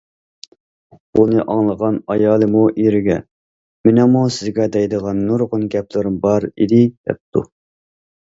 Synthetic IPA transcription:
unɨʔɑŋlˠəʁɑnɑjɑːlˠɨmuʔiɾɪɡʲɛ | mɪnɛmusɪzɡʲɛd̪ɛjd̪əʁɑnːuɾʁʊnɡʲɛplɪɾɪmbɑɾḭd̪ɪd̪̥ɛ̰p̚t̪ʰu

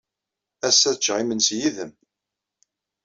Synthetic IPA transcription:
æsːæθt͡ʃːʁimənsjiðəm

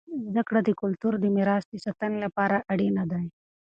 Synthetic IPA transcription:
zd̪akɽad̪əkʊlt̪uɾd̪əmɪɾɑːsd̪əsat̪anlapɑːɾaʔaɽenad̪aj

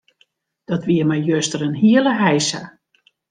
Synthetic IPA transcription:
d̥ɔtʋiəmajjøstəɾənɦiələɦɛjsa

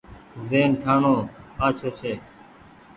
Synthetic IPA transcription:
zeːnʈʰaːɳoːaːt͡ʃʰoːt͡ʃʰeː

